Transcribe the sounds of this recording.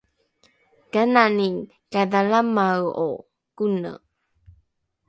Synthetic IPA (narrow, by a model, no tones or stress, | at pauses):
kananiŋ | kadalamawo̰ | kunə̰